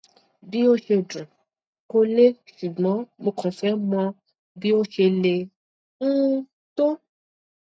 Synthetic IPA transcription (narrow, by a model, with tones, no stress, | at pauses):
bi˦o˦ʃe˧dũ˨ | ko˦le˦ʃu˨ɡ͡bɔ̃˨˦mõ˧kʰɔ̃˨fɛ˦mɔ̃˧ | bi˦o˦ʃe˧le˧ | ŋ̩˦ | t̪o˦